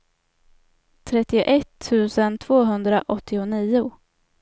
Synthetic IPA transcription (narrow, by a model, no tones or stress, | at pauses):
t̪ʰɾɛt̪ːɪʊʔɛt̪ʰːʉ̟ːsənt̪ʰv̥oːɦɵnd̪ɾaʔɔt̪ʰːɪʊniːʊ